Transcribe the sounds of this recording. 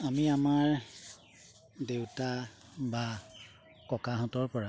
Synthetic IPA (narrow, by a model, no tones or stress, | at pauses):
amiamaɹ | dewta | ba | kɔkaɦɔ̃tɔɹpɔɹa